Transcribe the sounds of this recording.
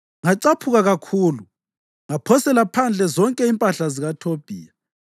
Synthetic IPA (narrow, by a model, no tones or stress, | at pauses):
ŋaǀapʰuɣaɣakʰuːlu | ŋapʰɔsɛlapʰand͡ɮʱɛzɔŋkʼɛimpʼaɬaziɣatʰob̥ʱiːja